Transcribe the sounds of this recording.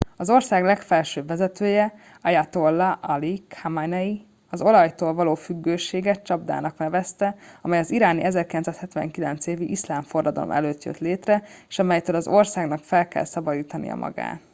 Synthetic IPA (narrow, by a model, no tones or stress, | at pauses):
ɒzo̞rsaːɡlɛkfɛlʃøːbvɛzɛt̪øːjɛ | ɒjat̪olːɒʔɒlikʰhamanɛji | ɒzo̞lɒjt̪oːlvɒloːfyɡːøːʃeːɡɛtt͡ʃɒbd̪a̰ːnɒknɛvɛst̪ɛɒmɛjɒziɾaːniʔɛzɛrkilɛnaːshɛt̪vɛ̰ŋkilɛnt̪seːviʔislaːɱfo̞rːɒd̪ɒ̰lo̰mʔɛ̰løːt̪jø̰t̪leːt̪rɛeːʃɒmɛjt̪øːlɒzo̞rsaːɡnɒkfɛlkɛ̰lsɒbɒd̪iːt̪ɒnḭjɒ̰mʔɒ̰ɡa̰ːt̪